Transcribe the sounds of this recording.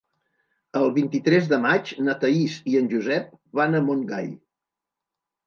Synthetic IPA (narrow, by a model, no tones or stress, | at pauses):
əlˠβint̪it̪ɾɛzðəmat͡ʃnət̪əisiənʲʒuzɛp̚βanəmoŋɡa̰j